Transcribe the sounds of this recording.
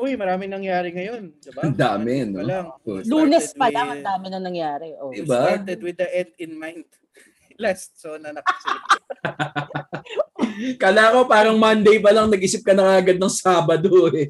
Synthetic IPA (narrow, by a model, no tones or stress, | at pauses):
ʔojmɐɾaːmɪŋnɐŋjaːɾɪŋɐjo̞nd̪ɪbɐnd̪aːmɛnolaŋoluːnɛspɐlɐŋɐnd̪aːmɪnɐŋnɐŋjaːɾɛʔod̪ɪbat̪ɛd̪̚wɪd̪ɐʔɛnd̪ɪnmajnt̪̚ | last̪̚sonɐnɐks | kaːlaːko̞paːɾɐŋmɐnd̪ejpɐlɐŋnɐɡ̚ʔiːsɪp̚kɐnɐŋaʔɐɡad̪̚nɐŋsaːbɐd̪oɛ